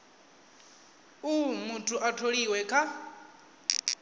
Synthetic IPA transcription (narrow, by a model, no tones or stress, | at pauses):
umutʰʼuʔatʰoɺiwɛkʰa